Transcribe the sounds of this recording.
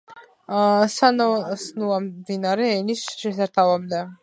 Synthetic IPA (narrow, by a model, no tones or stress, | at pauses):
sanɔsnuamd̪inaɾɛːnisʃɛsaɾt̪ʰavamd̪ɛ